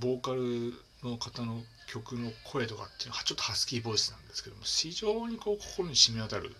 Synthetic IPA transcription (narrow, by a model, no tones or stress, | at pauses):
bo̞ːkaɾɯ̟ | no̞kat̪ano̞ | kʲo̞kɯ̟no̞kʰo̞e̞t̪o̞ka̰t̪ːeinoat͡ɕo̞t̪ːohasɨ̥kʲiːbo̞isɨnãnd̪e̞sɨ̥ke̞d̪omoçiʑo̞ːɲ̟iko̞ːkʰo̞̥ko̞ɾo̞ɲ̟iɕimʲiat̪aɾɯ̰